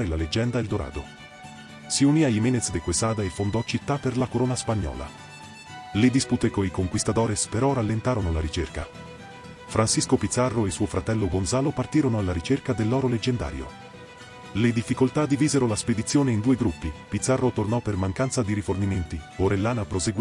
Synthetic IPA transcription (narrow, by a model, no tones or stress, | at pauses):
ɾelaled͡ʒːɛnd̪aeld̪oɾa̰ːd̪o̰ | siuniaimeːnet̪sd̪ekwesaːd̪aefːond̪ɔt͡ʃit̪ːapːerlakoɾoːnaspaɲːɔ̰ːla̰ | led̪isput̪ekoikoŋkwist̪ad̪ɔːɾespeɾɔralːent̪aːɾonolaɾit͡ʃerka̰ | fɾʔansiskopit̪sːarːoesuːofɾat̪ɛlːoɡonsaːlopart̪iːɾonoalːaɾit͡ʃerkad̪elːɔːɾoled͡ʒːend̪a̰ːɾjo̰ | led̪ifːikolt̪ad̪iviːzeɾolasped̪it̪sːjoːneind̪uːeɡɾupːipit̪sːarːot̪ornɔpːermaŋkant̪sad̪iɾiforniment̪ioɾelːaːnapɾoseɡ